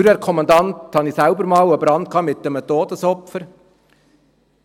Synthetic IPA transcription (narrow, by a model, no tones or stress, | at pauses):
ɾəɾkʰɔmɑnd̪ɑnthɑniːsæʊbəɾmɑːwəbɾɑnt̚kʰɑːmɪt̚d̪ɛmət̪oːd̥əsɔpfəɾ